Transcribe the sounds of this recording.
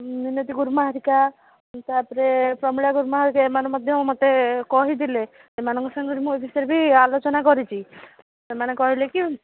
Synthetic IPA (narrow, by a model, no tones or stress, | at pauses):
ninot̪iɡuɾumaɦaɾika | t̪apɔɾepɾɔmuɭaɡuɾmɔɦaɾikaemaɾmɔd̪ʱjɔmɔt̪ekɔɦid̪ile | semanɔŋkɔsaŋɡɔɾimũebʰʱisɔɾebʱialot͡ʃɔnakɔɾit͡ʃʰi | semanekɔɦileki